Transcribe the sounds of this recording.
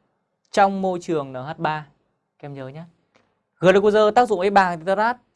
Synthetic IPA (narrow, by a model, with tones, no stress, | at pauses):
t͡ɕɔ˧wŋ͡mmo˧jt͡ɕɨ˨˩əŋnəː˨˩ɦaː˦˥t̚ɓaː˧ | kɛ˧mzəː˨˦ɲaː˦ | ɣɨ˨˩lə˨˧˩kzəː˧t̪aː˦˥k̚zʊ̰˧˨ŋʔə˨˦jɓaː˨˩ŋt̪i˨˧˩t̪a˧zaː˦˥t̚